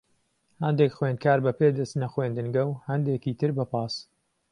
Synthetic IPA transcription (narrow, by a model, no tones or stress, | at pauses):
hɐnd̪ekxwen̚kʰaːɾbɐpeːd̪ɐst̪nɐxwend̪ɨŋɡɐwhɐnd̪eːkiːt̪ʰɨɾbɐpɑːs